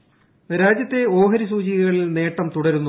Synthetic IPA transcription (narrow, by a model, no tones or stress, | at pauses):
ɾaːd͡ʑjɐt̪ːe̞o̞ːɦɐɾisuːt͡ɕiɣiɣɐɭilne̞ːʈːɐmt̪uɽɐɾunːu